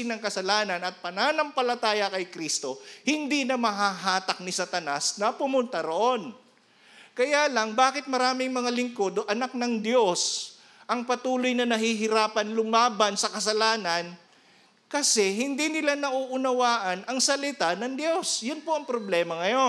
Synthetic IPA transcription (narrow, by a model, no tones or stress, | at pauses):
ɪnɐŋkɐsɐlaːnɐnɐt̪̚pɐnaːnɐmpɐlɐt̪aːjɐkɐjkɾist̪o̞hɪnd̪inɐmɐɦaɦaːt̪ɐk̚nɪsɐt̪ɐnasnɐpʊmʊnt̪ɐɾoʔo̞n | kɐjaːlɐŋbaːkɪt̪̚mɐɾaːmɪŋmɐŋalɪŋkod̪oʔɐnak̚nɐŋd̪jo̞s | ʔɐŋpɐt̪uːlojnɐnɐhiɦɪɾaːpɐnlʊmaːbɐnsɐkɐsɐlaːnɐn | kɐsɛɦɪnd̪inɪlanɐʔuʔʊnɐwaːʔɐnʔɐŋsɐlɪt̪anɐŋd̪jo̞sjʊnpo̞ʔɐŋpɾoblɛːmɐŋɐjo